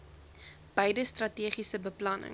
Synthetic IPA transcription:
b̥əjdəstrɐtiːχisəbəplɐnə̰

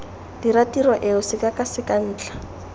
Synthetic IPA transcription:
d̥iratirɔʔɪʊsɪkakʼasɪkan̩ːt͡ɬḁ

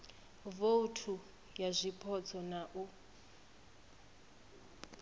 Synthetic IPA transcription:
voutʰu | jazʷipʰɔt͡sʰɔnaʔu

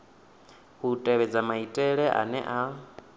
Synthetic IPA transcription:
hutʼɛβɛd͡zamaitʼɛɺɛʔa̰nɛ̰ʔa

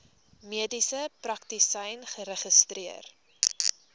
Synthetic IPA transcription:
miədisəprɐktisɐjnχəɾəχəstriər

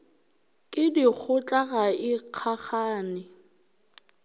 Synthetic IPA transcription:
kʼɪdik͡xʰʊt͡ɬʼaɣaɪq͡χʰaχaːnɪ

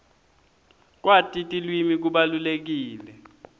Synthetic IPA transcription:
k̬watʼitʼilwimik̬uɓalulek̬iːlɛ

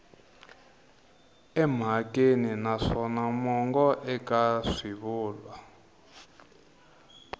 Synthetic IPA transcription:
ɛm̤akʼeninaʂɔnamɔŋɡɔʔɛkʼaʂiβuːlwa

